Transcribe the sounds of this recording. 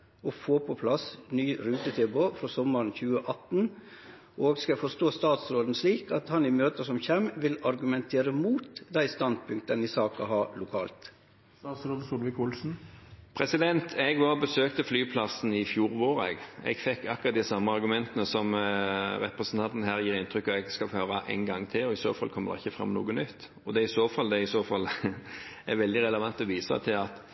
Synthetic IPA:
ɔfoːpʰɔpʰlɑsnyːɾʉːt̪ət̪ʰɛboːfɾɔsɔmːəɾnçʉːəʔɑt̪n | ʔoːɡskɑfɔst̪oːst̪ɑːt̪sɾoːd̪n̩sliːkɑt̪hɑnɪmøːt̪əsɔmçɛmʋɪlɑɾɡʉmɛnt̪ʰeːɾəmuːt̪d̪æɪst̪ɑnd̪̚pʰʉŋk̚t̪ənɪsɑːkɑ̰hɑlʊkʰɑːlt̪ | sɑːt̪sɾoːd̪əsulʋɪkʊlsn̩pʰɾɛsɪd̪ɛnt̪ʰɛɡʋɑʁbəsøːkt̪əflyːpʰlɑsn̩ɪfjuːɾʋoːɾɛ̰ɡɛ̰ɡfɛkːɑkːʊʁɑt̪d̪ɪsɑmːəɑɾɡʉmɛnt̪ənəsɔmɾɛpɾəsn̩t̪ɑnt̪n̩ɦæːɾjiːɾɪnt̪ʰɾʏkːɑɛɡskɑhøːɾɑʔæ̰ɪnɡɑŋːt̪ʰɪlɔɪso̰ːfɑlːkʰɔmːəd̪ɛ̰ɪçːəfɾɑ̰mːnṵːɡənʏt̪ː | ɔd̪ɛɪsoːfɑld̪ɛɪsoːfɑl | æɾʋɛld̪ɪʁɛləʋɑnt̪ɔʋiːsɑ̰t̪ʰɪlɑt̪

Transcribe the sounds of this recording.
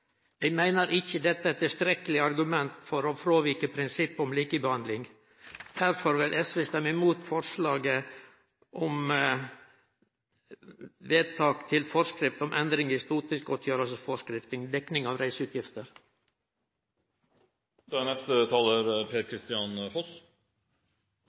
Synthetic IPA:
jɛɡmæɪnəɾʔɪçəd̪ɛt̪ːəɛt̪ːɪlst̪ɾɛkəlɪɑɾɡʉmɛnt̪fɔɾɔfɾoːʋiːkəpʰɾɪnsɪpːɔmliːkəbəhɑnd̪lɪŋ | d̪̥æɾfɔɾʋɪlʔɛsʋest̪ɛmːɪmuːt̪fɔɾʂlɑːɡə | ʔɔm | ʋeːd̪̚t̪ʰɑːkt̪ʰɪlfɔʂkɾɪft̪ɔmʔɛnd̪ɾɪŋhɪst̪uːt̪ɪskɔt̪ʰjøːɾəlsəsfɔʂkɾɪft̪ɪŋd̪ɛknɪŋɑʋɾæɪsʉːt̪jɪft̪əɾ | d̪̥ɛnɛst̪ət̪ʰɑːləɾpʰeːɾkʰɾɪst̪ɪɑnfɔs

